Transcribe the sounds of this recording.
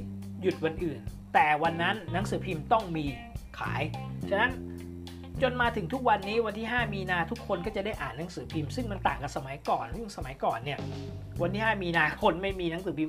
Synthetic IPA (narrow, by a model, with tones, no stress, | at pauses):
ju˨˩t̪̚wa˧nʔɯː˨˩n | t̪ɛː˨˩wa˧nːa˦˥nːa˩˦˥ŋsɯː˩˦pʰiː˧mt̪ɔ˥˩ŋmiː˧ | kʰa̰ː˩˦jt͡ɕʰa˧na˦˥n | t͡ɕo˧nmaː˧t̪ʰɯ˨˩˦ŋt̪ʰu˦˥k̚wa˧nːiː˦˥wa˧nt̪ʰiː˥˩ɦaː˥˩miː˧naː˧t̪ʰu˦˥kʰːo˧nkɔ˥˩t͡ɕa˨˩da˥˩jʔaː˨˩nːa˨˦˥ŋsɯː˩˦pʰiː˧msɯ˥˩ŋma˧nt̪aː˨˩ŋka˨˩sa˧ma˨˩˦jkɔː˨˩nsɯ˥˩ŋsa˧ma˨˩˦jkɔː˨˩nːi˥˩ɐ | wa˧nt̪ʰiː˥˩haː˥˩miː˧naː˧kʰo˧nma˥˩jmiː˧na˩˦ŋsɯː˩˦pʰiː˧m